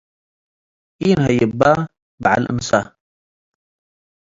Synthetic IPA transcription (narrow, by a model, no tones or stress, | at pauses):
ʔiːnhajəba | baʕa̰lʔə̰nsa